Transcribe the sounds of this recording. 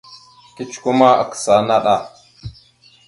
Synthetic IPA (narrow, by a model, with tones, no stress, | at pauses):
ki˦t͡ʃku˦ma˦a̰˨ksa˨na˦ɗa˨